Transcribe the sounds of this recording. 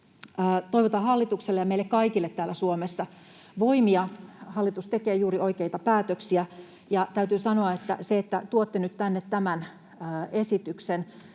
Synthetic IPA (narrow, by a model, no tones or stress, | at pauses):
t̪oiʋot̪ɑhɑlːit̪ukselːejɑmeilːekkɑikilːet̪t̪ːæːlːˑæsuomesːɑ | ʋoimiɑhɑlːit̪ust̪ekeːjuːriʔoikeit̪ɑpæːt̪øksiæ | jɑt̪æyt̪yːsɑnoɑet̪ːæ̰seet̪ːæt̪uot̪ːenyt̪t̪ænːet̪t̪æmænː | esit̪yksen